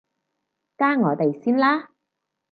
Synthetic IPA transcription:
kaː˥ŋɔː˨˧t̪e˨jsiː˥nlaː˥

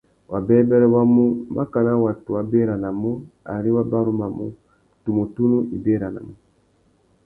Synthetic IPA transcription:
wa˨bɛ˦bɛ˦ɾɛ˦wa˦mu˦ba˦ka˨na˦wa˨tu˨wa˨be˦ɾa˨na˨mɔ˦a̰˨ɾi˦wa˦ba˦ɾu˦ma˨mṵ˦ | tu˨mo˨tu˦nu˦i˨be˦˨ɾa˨na̰˨mu˦

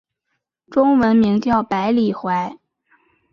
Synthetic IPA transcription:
ʈ͡ʂʊ˥ŋwə˧˥nmi˧˥ŋt̪jɑ˥˩ʊpa˧˥ɪli˨˩xwa˧˥ɪ

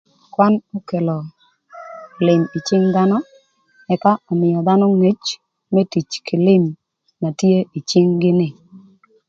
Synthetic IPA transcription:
kwa˦nɔ˦ke˨lɔ˨ | lɪ˨mi˨t͡ʃɪ˦ŋd̪a˦nɔ˦ | ɛ˨ka˦ʔɔ˨mɪ˨jɔ˨d̪a˦nɔ˦ŋe˦t͡ʃ | me˦ti˨t͡ʃkʰɪ˨lɪ˦m | na˨tje˦i˨t͡ʃɪ˦ŋɡɪ˦nɪ˨

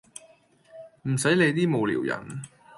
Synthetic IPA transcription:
m̩˨˩sɐ˨˥jle˨˧jt̪iː˥mo˨wlḭː˨˩wjɐ̰˨˩n

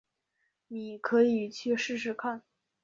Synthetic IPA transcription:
ni˨˩kʰɤ˧˥i˨˩t͡ɕʰy˥˧ʂɻ̩˥˧ʂ̬ɻ̩˥˧kʰa˥˩n

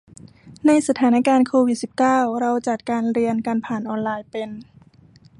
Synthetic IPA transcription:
na˧jsa˧t̪ʰaː˩˦na˦˥kaː˧nkʰoː˧wi˨˩si˨˩p̚kaː˥˩wɾa˧wt͡ɕa˨˩t̪̚kaː˧nɾi˧ənka˧npʰaː˨˩nʔɔː˧nlaː˧jpe˧n

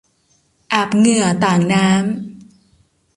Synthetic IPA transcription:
ʔa˨˩p̚ŋɯ˨˩ɐət̪aː˨˩ŋnaː˦˥m

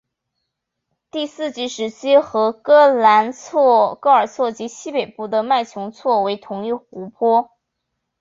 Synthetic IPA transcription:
t̪i˥˧sɹ̩˥˩t͡ɕi˧˥ʂɻ̩˧˥t͡ɕʰi˥xɤ˧˥kɤ˥la˧˥nt͡sʰkɤ˥ə˞˨˩t͡sʰwɔ˥˩t͡ɕi˧˥ɕi˥pe˨˩ɪpu˥˩d̪ə˩ma˥˩ɪt͡ɕʰjʊ˧˥ŋt͡sʰwɔ˥˩we˧˥ɪt̪ʰʊ˧˥ŋy˥˩xu˧˥pʰwɔ˥

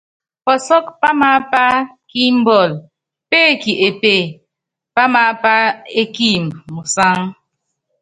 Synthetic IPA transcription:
pɔ˨sɔ˦k̚pa˦ma˦pa˦ | ki˦m̩˦bɔ˨l | pe˦˨ki˨ʔe˨pe˦˨ | pa˦ma˨˦pa˦e˦ki˦˨mmu˨sa˦ŋ

